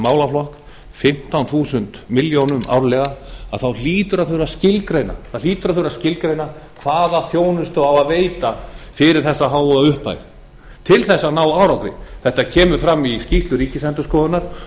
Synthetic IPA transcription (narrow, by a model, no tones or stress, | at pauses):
maːwlaflɔhk | fɪm̥t̪awnθuːsʏnt̪mɪljownʏma̰wɾlɛɣaaðθawliːt̪ʏɾaθʏɾascɪlkɾeːjna̰θawliːt̪ʏɾaθʏɾascɪlkɾejna | kʰvaːðaθjoːwnʏst̪ʏavaðveːjt̪afɪɾɪɾ̥θɛsːaɦaːwʏðaʏhpa̰jð | t̪ʰɪlθɛsːanaːwaːwɾawkɾɪ̰θɛht̪acʰɛːmʏfɾamːiscist̪lʏɾiːcɪsɛnt̪ʏskɔːðʏnaɾ̥